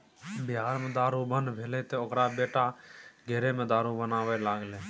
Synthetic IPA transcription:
bɪjaːɾmẽːd̪aːɾuːbənʋʱeːleːt̪eːokɾaːɓeːʈaːɡʱeːɾeːmẽːd̪aːɾuːbənaːʋeːlaːɡleː

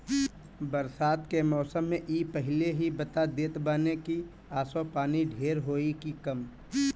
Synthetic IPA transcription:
bəɾsaːt̪kemɔːsəmːẽʔiːpəɦɪleɦibət̪ad̪eːt̪baːneki | aːsõpaːniɖʱeːɾɦoːikikəm

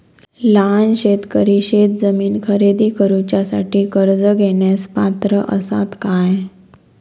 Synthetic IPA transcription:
lanɕet̪kəɾiɕet̪̚d͡zəmiːnkʰəɾed̪iːkəɾut͡ɕjasa̰ʈiːkəɾd͡zəɡʱeɳjaspat̪ɾəʔəsa̰t̪kaj

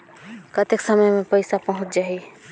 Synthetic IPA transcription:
kət̪eksəməjmẽpəɪsapəɦʊ̃t͡ʃd͡ʒaɦi

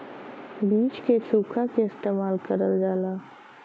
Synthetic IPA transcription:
biːt͡ʃkesuːkʰakeɪst̪eːmaːlkəɾəld͡ʒaːlaː

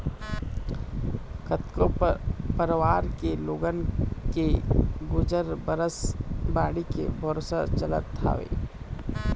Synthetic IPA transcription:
kət̪kopəɾwaːɾkeloːɡənkeɡʊd͡ʒəɾbəɾəsbaːɽikḛbʱəɾosa̰t͡ʃələ̰t̪ʰːa̰ːʋḛː

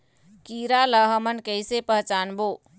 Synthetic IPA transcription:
kiɾaləɦəmənkəɪsepəɦt͡ʃanbo

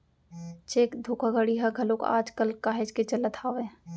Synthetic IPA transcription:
t͡ʃeːkd̪ʱuːkʰaɡəɽiɦɐɡʱɐlõka̰ːd͡ʒkəlkaːɦed͡ʒket͡ʃɐlət̪ʰaːʋeː

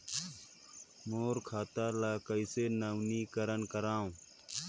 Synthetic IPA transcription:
moːɾkʰaːt̪aːlaːkəiseːnəwniːkəɾənkəɾaːũː

